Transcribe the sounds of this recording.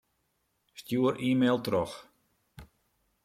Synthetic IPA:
stjuəɾʔiːmeːlˠtrɔx

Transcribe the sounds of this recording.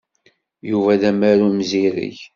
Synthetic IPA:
juvæðæmæɾumziɾḭç

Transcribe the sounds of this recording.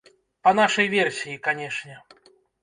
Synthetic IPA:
pɐn̪aʂɐjvʲɛrsʲijikanʲɛʂnʲɛ

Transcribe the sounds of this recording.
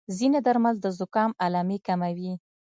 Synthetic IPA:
zinad̪aɾmald̪əzʊkɑmalɑmekamawi

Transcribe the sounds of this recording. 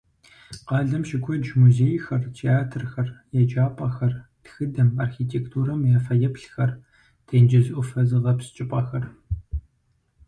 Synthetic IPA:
qɑːɮɐmʃɪkʷʰɔd͡ʒmuzeːjxɐrtʰeaːtʰɨrxɐrjɛd͡ʒaːpʼɐxɐrtxɨdɐmarxiːtʰeːktʰuːɾɐmjafɐjɛpɬxɐr | tʰeːnd͡ʒɐzʔʷʊfɐzɨʁɐpst͡ʃʼɪpʼɐxɐr

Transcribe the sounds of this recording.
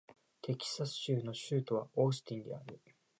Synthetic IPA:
t̪ʰe̞kʲi̥sasɨ̥ɕɨːno̞ɕɨːt̪o̞βao̞ːsɨ̥t̪ʲĩnd̪e̞̰aɾɯ̟

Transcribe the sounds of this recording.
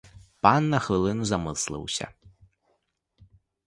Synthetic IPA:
panːɐxʋɨlˠɨnuzamɨslˠɨ̰wsʲɐ̰

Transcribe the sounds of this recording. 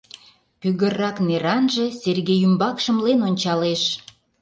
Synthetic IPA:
pyɣərːɑkneɾɑnʒĕserɣejymbɑkʃə̆mlenonʲt͡ɕɑleʃ

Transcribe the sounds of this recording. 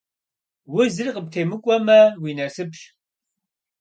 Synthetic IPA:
wʊzɨrqəp̚tʰeːmɨkʷʼɔmɐwinɐsɨpɕ

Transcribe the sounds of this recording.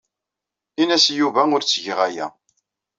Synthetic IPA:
inæsjuvæʊɾt͡sːʝəʁæjæ̰

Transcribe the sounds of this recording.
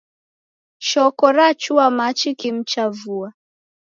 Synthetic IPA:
ʃɔkɔɾat͡ʃuamat͡ʃikim̩t͡ʃavua

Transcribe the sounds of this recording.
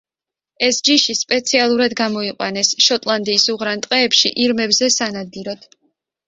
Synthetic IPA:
ɛsd͡ʒiʃispʼɛt̪sʰialˠuɾad̪ɡamɔiqʼwa̰nɛsʃɔt̪ʼlˠand̪iːsuʁɾant̪ʼqʼɛːpʃḭʔiɾmɛbzɛsanad̪̚ɡiɾɔd̪̥

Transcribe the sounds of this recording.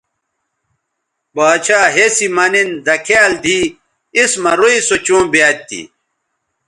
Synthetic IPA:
baːt͡ɕʰaːɦesimɐnind̪ɐkʰaːld̪ʱi | ismɐɾoisot͡ɕõːbiaːt̪ːḭ

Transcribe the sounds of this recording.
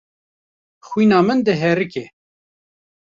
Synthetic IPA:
xwiːnɑːmɨnd̪ɨɦɛɾɨkɛ

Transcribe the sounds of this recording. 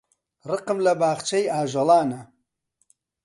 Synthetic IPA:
rɨqɨmlɐbaːɣt͡ʃɐjaːʒɐlaːnɐ

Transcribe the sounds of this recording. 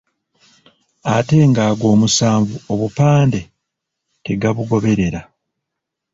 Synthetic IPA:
ate̞ːŋɡaːɡo̞ːmusaːɱvuoβupaːnde̞ | te̞ɡaβuɡo̞βe̞ɾe̞ɾa

